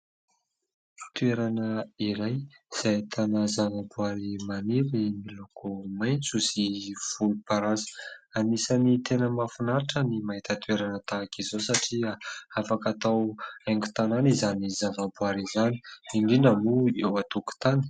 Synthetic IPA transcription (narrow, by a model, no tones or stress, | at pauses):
t̪ueɾanəiɾajiz̥ajt̪ʰanəzavabuaɾimaniɾimilukumajnt͡suziv̥ulpaɾazə̥anisanit̪enəmafunaɾiʈ͡ʂənimaɦit̪ət̪ueɾanət̪aːkizosaʈ͡ʂiaafakat̪aweŋɡu̥t̪ananizanizavabuaɾizani̥iɳɖ͡ʐinəmuewat̪uku̥t̪ani̥